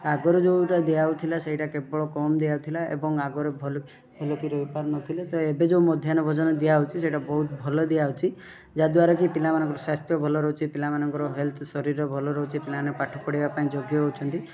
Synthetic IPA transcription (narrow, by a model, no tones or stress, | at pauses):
aɡɔɾed͡ʒoʈad̪ijaut̪ʰilaseɦiʈakebɔɭɔkɔmd̪iaɦut̪ʰilaḛbɔŋaɡɔɾebʱɔl | ɦelɔkiɾɔipaɾnɔt̪ʰilet̪ɔebed͡ʒomɔd̪ʱjanɔbʱɔd͡ʒɔnɔd̪ijaɦut͡ʃʰiseʈabɔɦut̪̚bʱɔlɔd̪ijaɦut͡ʃʰi | d͡ʒad̪waɾakipilamanɔŋkɔɾɔsast̪jɔbʱɔlɔɾɔɦut͡ʃʰipilamanɔŋkɔɾɔɦelt̪ʰsɔɾiɾɔbʱɔlɔɾɔɦut͡ʃʰipilanepaʈʰɔpɔɽibapaĩd͡ʒɔɡjɔɦut͡ʃʰɔnt̪i